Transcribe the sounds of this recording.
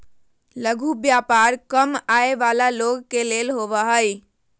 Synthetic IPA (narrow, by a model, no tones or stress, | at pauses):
ləɡʱubjapaɾkəmaeʋalaloɡkelelɦoʋəɦəj